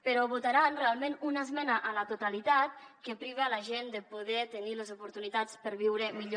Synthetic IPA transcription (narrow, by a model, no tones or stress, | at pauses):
pəɾɔβut̪aɾanrealˠmenunəzmɛnəʔələt̪ut̪alit̪at̪̚kəpɾiβealəʒend̪əpuðɛt̪əniləzupuɾt̪unit̪at͡spəɾβiwɾəmiʎo